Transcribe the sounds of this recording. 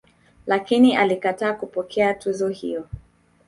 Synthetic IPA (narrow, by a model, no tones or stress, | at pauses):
lakiniʔalikataːkupɔkʰɛatuzɔhḭjɔ